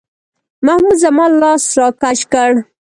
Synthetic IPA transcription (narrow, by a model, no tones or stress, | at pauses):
mahmuzamɑlɑsɾɑkaʃkəɽ